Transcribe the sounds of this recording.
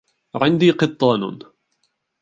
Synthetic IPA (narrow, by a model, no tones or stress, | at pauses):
ʕɪnd̪iːqɨt̪ˤːɑːn